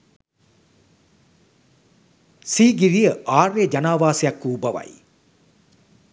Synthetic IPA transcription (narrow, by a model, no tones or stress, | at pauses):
siːɡiɾijəʔaːrʋed͡ʒɐnaːʋaːsijɐkːuːbɐʋɐ̰j